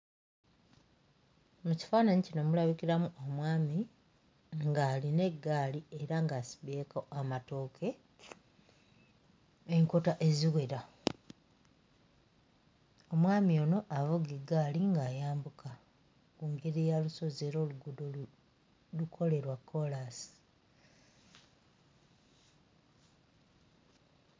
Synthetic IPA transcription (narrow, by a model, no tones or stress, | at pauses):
muci̥faːnaɲicino̞mulaβikiɾamuʔo̞mwaːmi | ŋɡaːline̞ɡːaːlie̞ɾaŋɡasi̥βe̞ːkoamato̞ːkʰe̞ | eŋko̞taʔe̞ziwe̞ɾa | o̞mwaːmiono̞ʔavuɡeɡːaːliŋɡaːjaːmbukʰa | kuŋɡeɾejaluso̞ze̞ɾo̞ːluɡudo | lukʰo̞le̞ɾwakʰːo̞lasi̥